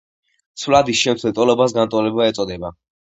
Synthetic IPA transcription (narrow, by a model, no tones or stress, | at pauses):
t̪sʰvlad̪isʃɛmt̪sʰwɛt̪ʼwɛlɔbasɡant̪ʼɔlɛbaɛt̪sʼɔd̪ɛba